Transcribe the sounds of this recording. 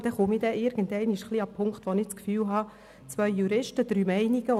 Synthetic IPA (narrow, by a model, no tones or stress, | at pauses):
d̥ɛχumidɛʔɪɾɡəndɛɪniʃχliːɑpʰʊŋktʋonɪt͡skfyːlɦɑ | t͡sʋœʏjuɾɪʃtəd̥̪ɾyːmɛɪniɡ̥ə